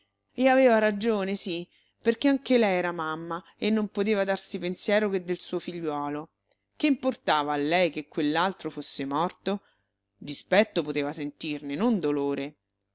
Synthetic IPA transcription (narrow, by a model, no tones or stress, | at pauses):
eaveːvaɾad͡ʒoːnesi | perkeaŋk̟elɛjɛːɾamamːa | enːompot̪eːvad̪arsipensjɛːɾok̟ed̪ːelsuːofiʎːwɔːlo | keimport̪aːvaːlːɛjkekːwelːalt̪ɾofosːemɔrt̪o | d̪ispɛt̪ːop̬ot̪eːvasent̪irnenond̪oloːɾe